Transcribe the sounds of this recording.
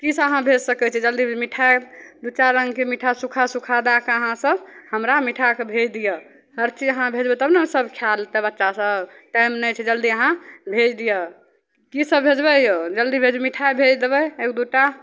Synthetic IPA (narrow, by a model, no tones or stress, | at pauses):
kisə̃əɦãbʱed͡ʒsəkɛt͡ʃʰɛd͡ʒəld̪imiʈʰaed̪ut͡ʃaɾəŋɡkemiʈʰasukʰasukʰad̪akeəɦãsəbhəmɾamiʈʰakebʱed͡ʒd̪ijə | həɾt͡ʃid͡ʒəɦãbʱed͡ʒbɛt̪əbnesəbkʰjalt̪ɛbətːʃasəb | ʈajmnɛt͡ʃʰɛd͡ʒəld̪iəɦãbʱed͡ʒd̪ijə | kisəbbʱed͡ʒbɛjod͡ʒəld̪ibʱed͡ʒmiʈʰaebʱed͡ʒd̪ebɛekd̪uʈa